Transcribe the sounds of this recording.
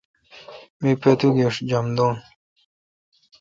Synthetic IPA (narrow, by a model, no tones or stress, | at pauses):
mipet̪uɡeʂd͡ʑɐmd̪oːn